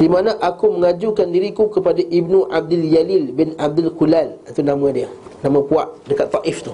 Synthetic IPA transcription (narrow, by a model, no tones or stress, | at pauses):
dimanãʔakuməŋad͡ʒukandiɾikukəpadaʔibnũʔab̚dɪld͡ʒalilbɪnab̚d̪ɪlkulalit̪unãmãdiə | nãmãpuaʔdəkat̪ːaʔɪft̪u